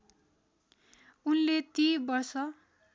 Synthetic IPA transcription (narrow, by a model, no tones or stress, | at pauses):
unlet̪ibʌrsʌ